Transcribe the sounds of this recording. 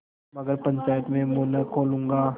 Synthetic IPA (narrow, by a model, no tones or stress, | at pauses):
mɐɡəɾpɐ̃ɲt͡ʃaːjət̪mẽmoːnəkʰoːlũːŋɡaː